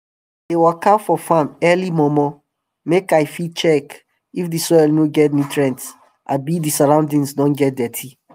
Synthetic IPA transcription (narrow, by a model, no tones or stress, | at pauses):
dewɛkʰafɔfãmɛlimɔmɔ | mekajfit͡ʃɛk | ifdisɔjlnoɡɛt̚nitɹɛ̃nts | ʔa̰bidisaɹãʊ̃ndĩŋsdɔ̃nɡɛt̚dɛtʰi